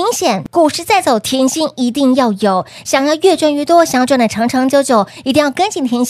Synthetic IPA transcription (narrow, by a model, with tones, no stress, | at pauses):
ŋɕjɛ˨˩nku˥˩ʂɻ̩˥˧t͡sa˥˩ɪt͡so˨˩ʊt̪ʰjɛ˧˥nɕi˥ni˧˥t̪i˥˧ŋjɑ˥˩ʊjo˨˩ʊ | ɕjɑ˨˩ŋjɑ˥˧ʊɥɛ˥˧ʈ͡ʂwa˥nɥɛ˥˧t̪wɔ˥ɕɑ˨˩ŋjʈ͡ʂwn˩ə˩ʈ͡ʂʰɑ˧˥ŋʈ͡ʂʰɤ˧˥ŋt͡ɕjo˥ʊt͡ɕjo˨˩˦ʊi˧˥t̪i˥˧ŋjɑ˥˩ʊkə˥nt͡ɕi˥˩nt̪ʰjɛ˧˥n˥